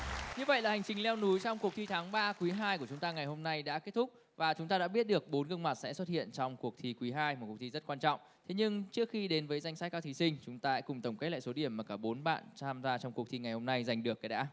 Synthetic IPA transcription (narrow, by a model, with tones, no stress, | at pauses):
ɲɨ˧və̰˧˨jlaː˨˩ha˨˩ŋ̟t͡ɕï˨˩ŋ̟lɛ˧wnu˨˦jt͡ɕɔ˧ŋ͡mkək̪̚ʰi˧t̪ʰaː˨˦ŋɓaː˧kwi˨˦ɦaː˧jku˧˩ət͡ɕʊ˨˦ŋ͡mt̪aː˧ŋa˨˩jho˧mna˧jɗa̰ː˧˥ke˦˥t̚t̪ʊ˦˥k͡p̚ | vaː˨˩t͡ɕʊ˨˦ŋ͡mt̪aː˧ɗa̰ː˧˥ɓi˦˥ət̚ɗɨ˨˩ək̚ɓo˨˦nɣɨ˧ŋma˨˩t̚sɛ̰˧˥swt̚hḭ˧˨ənt͡ɕɔ˧wŋ͡mku˨˩ək̚t̪ʰi˨˧˦kwi˨˦ɦaː˧jm̚˨˩wt̪ʰi˧zt̚kwaː˧nt͡ɕɔ̰˧˨wŋ͡m | t̪ʰe˨˦ɲɨ˧ŋt͡ɕɨ˦˥ək̚xi˧ɗe˨˦nvəː˨˦jza˧˩jŋ̟saː˦˥t̚kaː˧t̪ʰi˨˦sï˧ŋ̟t͡ɕʊ˨˦ŋ͡mt̪aː˧sa̰˧˥kʊ˨˩ŋ͡mt̪ə˧˩ŋ͡mke˦˥la̰ː˧˨so˨˦ɗi˧˩əmːaː˨˩kaː˧˩ɓo˨˦nɓa̰ː˧˨nt͡ɕʰaː˧mzaː˧t͡ɕɔ˧wŋ͡mku˨˩ət̪ʰi˧ŋa˨˩jho˧mna˧jza˨˩jŋ̟ɗɨ˨˩ək̚ːaː˨˦jɗa̰ː˧˥